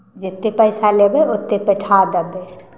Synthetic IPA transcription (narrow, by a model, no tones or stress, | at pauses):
d͡ʒɪt̪ːepɐɪsalebeʊt̪ːepeʈʰaːd̪ɐbe